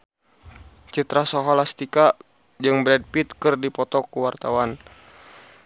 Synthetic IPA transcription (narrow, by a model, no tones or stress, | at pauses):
t͡ʃit̪ɾasɔɦɔlast̪ika | d͡ʒɨŋbɾɛd̚pit̪̚kɨrdipɔt̪ɔkuwart̪awan